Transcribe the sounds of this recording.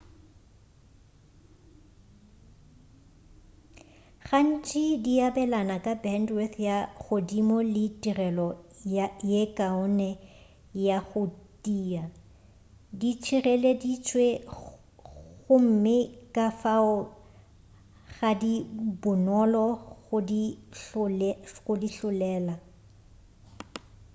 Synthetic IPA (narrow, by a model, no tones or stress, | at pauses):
χan̩t͡ʃʼidiabɛlanakʼabɛndwɛθjaɣodimɔlɪtʼirɛlɔ | jekʼaʊnɛ | jaɣʊtʼiːa | dit͡ʃʰirɛledit͡ʃʰʼwe | ɣʊm̩mɪkʼafaʊ | ɣadibʊnɔlɔʊdi | ɣʊdiɬʊlɛːla